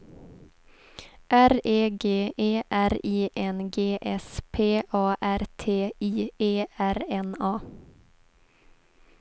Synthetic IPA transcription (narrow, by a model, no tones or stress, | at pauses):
ʔæɾeːɡeːʔeːʔæɾiːʔɛnɡeːʔɛspʰeːʔɑːʔæɾt̪ʰeːiːeːæɾɛnɑː